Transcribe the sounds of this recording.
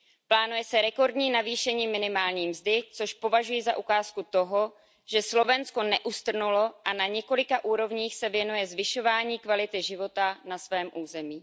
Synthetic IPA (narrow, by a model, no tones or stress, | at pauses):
plaːnujɛsɛɾɛko̞ɾdɲiːnaviːʃɛɲiːmɪnɪmaːlɲiːmzdɪt͡so̞ʃpo̞vaʒujizaʔukaːskut̪o̞ɦo | ʒ̥ɛslo̞vɛnsko̞nɛʔust̪r̩nulo̞ʔanaɲɛko̞lɪkaʔuːɾo̞vɲiːxsɛvjɛnujɛzvɪʃo̞vaːɲiːkvalɪt̪ɪʒɪvo̞t̪anasvɛːmʔuːzɛmiː